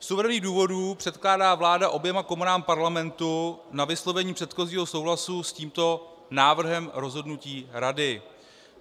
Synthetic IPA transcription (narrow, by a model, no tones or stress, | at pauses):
fsuvɛɾɛniːxduːvo̞dupr̝̥ɛt̪klaːdaːvlaːdaʔo̞bjɛmako̞munaːmpaɾlamɛnt̪unavɪslo̞vɛɲiːpr̝̥ɛt̪xo̞ziːɦo̞sowɦlasusciːmt̪o̞ | naːvr̩ɦɛmɾo̞zɦo̞dnuciːɾadɪ